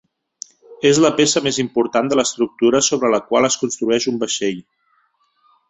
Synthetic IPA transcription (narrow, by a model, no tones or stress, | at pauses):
ezləpesəmezimpuɾt̪and̪ələst̪ɾuk̚t̪uɾəsoβɾələkwalˠəskunst̪ɾuɛʃumbəʃeʎ